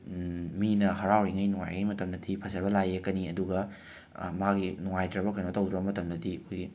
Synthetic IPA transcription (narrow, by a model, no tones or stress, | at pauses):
minɐɦɐɾawɾiŋɐjnuŋa̰jŋɐjmɐtɐmdɐdipʰɐsɐβɐlajekɐniɐduɡɐ | maɡinuŋajtɾɐbɐkʰɐjnotɐwdɾɐbɐmɐtɐmdɐdikojɡi